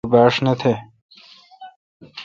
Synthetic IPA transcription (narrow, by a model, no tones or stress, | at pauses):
baːʂnɐt̪ʰe